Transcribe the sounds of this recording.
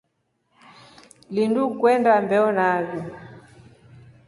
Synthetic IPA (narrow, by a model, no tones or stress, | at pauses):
lindukwɛndambɛɔnaβi